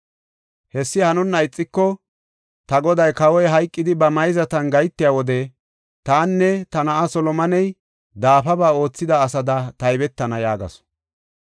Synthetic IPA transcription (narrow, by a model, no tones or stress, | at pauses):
hɛsːɪhɐnʊnːɐjt͡sʼːɪkːɔ | t̪ɐɡɔd̪ɐjkɐwɔjɦɐjkʼːɪd̪ɪbɐmɐjzɐt̪ɐnɡɐjt̪ːɪjaːwɔd̪ɛ | t̪aːnːɛt̪ɐnɐʔasɔlɔmɐnɛj | d̪aːfɐbaːo̞ːt͡sːɪd̪ɐːsɐd̪ɐt̪ɐjbɛt̪ːɐnɐjaːɡɐ̰s